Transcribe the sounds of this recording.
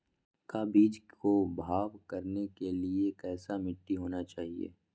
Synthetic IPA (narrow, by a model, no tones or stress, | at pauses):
kabiːd͡ʒkobʱaːʋkɐɾnekeliekɛːsamɪʈːiɦoːnat͡ʃaːɦiḛː